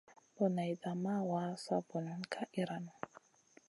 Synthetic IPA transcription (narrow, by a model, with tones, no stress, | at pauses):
bɔ˨na˨i˨d̪a˨ma˦wa˦sa̰˦bɔ˨n˨kʰa˦ʔi˦ɾa˨na˨